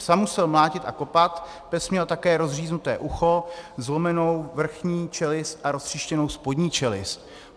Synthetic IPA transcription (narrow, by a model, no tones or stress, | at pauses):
samːusɛlmlaːcɪt̪ʔa̰ko̞pat̪ | pɛsmɲɛlt̪akɛːɾo̞zr̝iːznut̪ɛ̰ːʔuxo̞zlo̞mɛno̞wvr̩xɲiːt͡ʃɛlɪsʔaɾo̞str̝̥ɪʃcɛno̞wspo̞dɲiːt͡ʃɛlɪ̰s